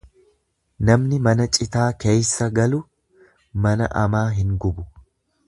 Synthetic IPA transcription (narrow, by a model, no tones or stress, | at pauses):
nɐmnɪmɐnɐt͡ʃʼɪt̪aːkeːjsːɐɡɐlʊ | mɐnɐ̰ʔɐmaːɦɪŋɡʊbʊ